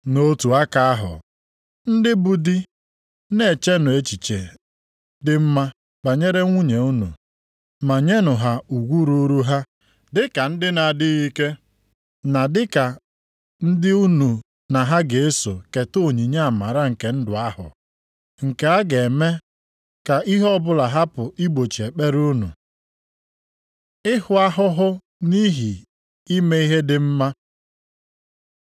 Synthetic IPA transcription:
no˦tu˨a˦ka˨a˦ɦʊ̰˨ | n̩˦dɪ˦bu˨di˦ | ne˨t͡ʃe˦nʊ˨e˦t͡ʃi˨t͡ʃe˨ | dɪ˦m̩˦ma˦ | k͡pa˨ɲe˦ɾe˦ŋʷu˦ɲe˨u˦nṵ˨ | ma˨ɲe˦nʊ˨ɦa˨u˨ɡʷu˦ɾu˦ɾu˦ɦa˦ | dɪ˦ka˨n̩˦dɪ˦na˨dɪ˦i˦ke˦ | na˨dɪ˦ka˨ | n̩˦dɪ˦u˦nu˨ | na˨ɦa˦ɡe˨e˦so˨ke˨to˦˨ɲi˨ɲe˦a˨ma˨ɾa˦ŋ̩˨ke˨n̩˦dʊ˨a˦hʊ̰˨ | ŋ̩˨ke˨a˦ɡe˨me˦ | ka˨i˦ɦɔ˦bʊ˦la˨ɦa˦pʊ˨ʔi˦ɡ͡bo˨t͡ʃi˨e˨k͡pe˦ɾu˦nṵ˨ | ɪ˦hʊ˨a˦ɦʊ˦ɦʊ˦ | ni˦ɦi˨ | i˦me˦i˦ɦe˦dɪ˦m̩˦ma˦

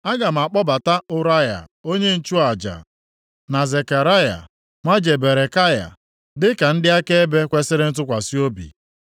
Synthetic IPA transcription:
a˦ɡa˨m̩˨a˨k͡pɔ˦ba˨ta˦ʊ˦ɾa˦ja̰˨o˦ɲe˦n̩˦t͡ʃu˦a˨d͡ʒa̰˨ | na˨ze˨ka˨ɾa˦ja̰˨ | mʷa˦d͡ʒe˨be˨ɾe˨ka˦ja̰˨ | dɪ˦ka˨n̩˦dɪ˦a˦ke˦e˦be˦kʷe˦sɪ˦ɾɪ˦n̩˦t̬ʊ˦kʷa˨si˦o˦bḭ˨

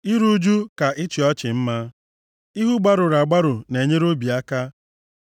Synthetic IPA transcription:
i˦ɾu˦d͡ʒu˦ka˨ʔɪ˦t͡ʃɪ˨ɔ˦t͡ʃɪ˨m̩˦ma˦ | i˦ɦu˦ɡ͡ba˦ɾʊ˨ɾa˨ɡ͡ba˦ɾʊ˨ne˨ɲe˦ɾo˦bi˨a˦ka˦

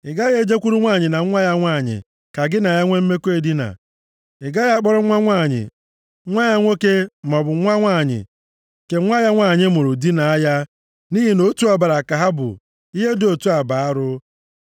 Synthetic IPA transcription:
ɪ˨ɡa˦je˦d͡ʒe˦kʷu˦ɾu˦ŋʷa˦˨ɲɪ˨na˨˦ŋʷa˦ja˦ŋʷa˦˨ɲɪ̰˨ | ka˨ɡɪ˦na˨ja˦ŋʷe˦m̩˦me˦kʷe˨di˦na̰˨ | ɪ˨ɡa˦ja˦a˦k͡pɔ˦ɾʊ˦ŋʷa˦ŋʷa˦˨ɲɪ̰˨˦ | ŋʷa˦ja˦ŋʷo˦ke˦˨mɔ˨bʊ˨ŋʷa˦ŋʷa˦˨ɲɪ̰˨ | ke˨ŋʷa˦ja˦ŋʷa˦˨ɲɪ˦mo˨ɾʊ˨di˦na˨a˦ja˦ | ni˦ɦi˦no˦tu˦a˨ba˨ɾa˨ka˨ɦa˦bʊ̰˨ | i˦ɦe˦do˨tu˦a˨ba˨a˦ɾʊ˦

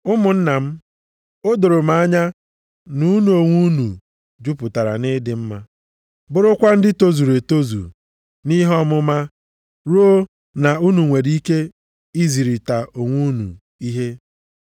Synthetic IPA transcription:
ʊ˦mʊ˨n̩˦na˨m̩˦ | o˦do˨ɾʊ˨m̩a˨˦ɲa˦ | nu˦nu˨o˨ŋʷu˦nu˨ | d͡ʒu˦pʊ˨ta˨ɾa̰˨nɪ˦dɪ˨m̩˦ma˦ | bʊ˦ɾʊ˦kʷa˦n̩˦dɪ˦to˦zu˨ɾe˨to˦zṵ˨ | ni˦ɦɔ˦mʊ˦ma˦ | ɾu˦o˦ | na˨u˦nu˨ŋʷe˨di˦ke˦ | i˦zi˨ɾi˨ta˨o˨ŋʷu˦nṵ˨ | i˦ɦe˦

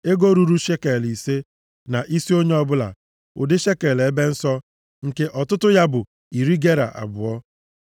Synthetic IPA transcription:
e˦ɡo˦ɾu˦ɾu˦ʃe˦ke˨li˨se˦ | na˨ʔi˦si˦o˦ɲe˦ɔ˦bʊ˦la̰˨ | ʊ̰˨dɪ˦ʃe˦ke˨le˦be˦n̩˦sɔ˦ | ŋ̩˨ke˦ʔɔ˨tʊ˦tʊ˦ja˦bʊ˨ | i˨ɾi˦ɡe˦ɾa̰˨ʔa̰˨bʊ˨ɔ˦

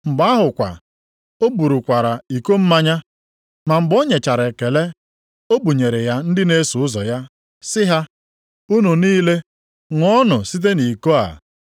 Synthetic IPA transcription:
m̩˨ɡ͡ba˦ɦʊ˨kʷa̰˨ | o˦bu˨ɾu˨kʷa˨ɾa˨i˨ko˦m̩˦ma˦ɲa˦ | ma˨m̩˨ɡ͡bo˦ɲe˨t͡ʃa˨ɾe˨ke˨le˦ | o˦bu˨ɲe˨ɾe˨ja˦n̩˦dɪ˦ne˦su˨ʊ˦zɔ˨ja˦ | sɪ˦ɦa˦ | u˦nu˨niː˦le˦ | ŋʷɔ˦nʊ˨si˦t̬e˦ni˨ko˦a̰˨

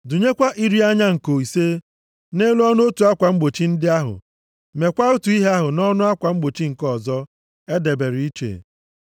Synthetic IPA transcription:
dʊ˨ɲe˦kʷa˦ʔi˦ɾi˦a˦ɲa˦ŋ̩˨ko˨i˨se˦ | ne˦lu˦ɔ˦nʊ˦o˦tu˨a˦kʷa˨ŋ͡m̩˦ɡ͡bo˨t͡ʃi˦n̩˦dɪ˦a˦ɦʊ̰˨ | me˨kʷa˦o˦tu˨i˦ɦe˦a˦ɦʊ˨nɔ˦nʊ˦a˦kʷa˨ŋ͡m̩˦ɡ͡bo˨t͡ʃi˦ŋ̩˨kɔ˦˨zɔ˦ | e˦de˨be˨ɾɪ˨i˦t͡ʃḛ˨

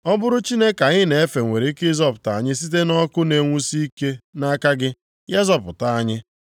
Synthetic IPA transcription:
ɔ˦bʊ˦ɾʊ˦t͡ʃi˦ne˦ka˨ɲɪ˦ne˨e˦fe˨ŋʷe˨ɾe˨˦kɪ˦zɔ˦pʊ˨ta˨a˨ɲɪ˦s̬i˦t̬e˦nɔ˦kʊ˦ne˨ŋʷu˦si˦ke˦na˦ka˦ɡɪ˦ | je˦zɔ˨pʊ˨ta˨a˨ɲɪ˦

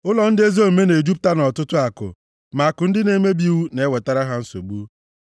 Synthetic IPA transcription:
ʊ˦lɔ˨n̩˦dɪ˦e˦zo˦˨me˦ne˨d͡ʒu˦p̚ta˦nɔ˨tʊ˦tʊ˦a˨kʊ̰˨ | ma˨kʊ˨n̩˦dɪ˦ne˦me˦bi˦˨wu˦ne˨˦we˨ta˦ɾa˦ɦa˦n̩˦so̰˨ɡ͡bu˦

